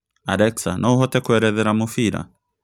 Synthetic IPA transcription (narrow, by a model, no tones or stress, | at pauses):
aɾɛksanʔɔwɦɔt̪ɛkuɛɾɛðɛɾamufiɾa̰